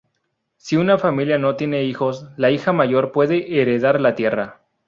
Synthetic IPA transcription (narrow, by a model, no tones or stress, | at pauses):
siunafamiljano̞t̪jene̞ixo̞slaixamaʝo̞ɾpwe̞ðe̞ʔeɾe̞ðaɾlat̪je̞ra